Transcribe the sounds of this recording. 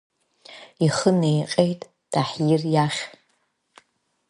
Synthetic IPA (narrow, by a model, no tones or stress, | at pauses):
iχənejqʲʼejtʼ | d̥aħjɪrjaχʲ